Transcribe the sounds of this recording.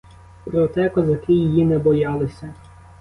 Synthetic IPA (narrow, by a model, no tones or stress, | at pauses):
pɾɔt̪ɛkɔzɐkɪjɪjinɛbɔjɑlˠɪsʲɐ